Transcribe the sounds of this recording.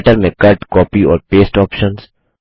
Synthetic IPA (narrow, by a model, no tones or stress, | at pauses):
ʈəɾmekɐɾʈkɔːpiɔːɾpeːsʈɔːpʃə̃ns